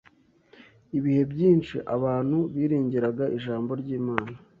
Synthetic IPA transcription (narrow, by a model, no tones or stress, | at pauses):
iβihe̞bɟiːnʃḭʔaβaːn̥huβiːɾiːɲɟiɾaɡaʔiʒaːmbo̞ɾɟiːmaːna